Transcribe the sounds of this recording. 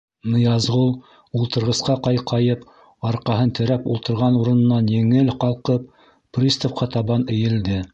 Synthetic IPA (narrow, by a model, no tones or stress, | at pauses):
nŏjɑzʁulˠ | ulˠt̪ɤ̆ɾʁɤ̆sqɑqɑjqʰɑjɤp | ɑɾqɑɦɤnt̪ʰɘ̆ɾæpulˠt̪ɤ̆ɾʁɑnuɾɤ̆nɤ̆nːɑnjɘ̆ŋɘlqɑlˠqɤp̚ | prʲist̪ŏfqɑt̪ɑβɑnɘ̆jɘ̆ld̪ɘ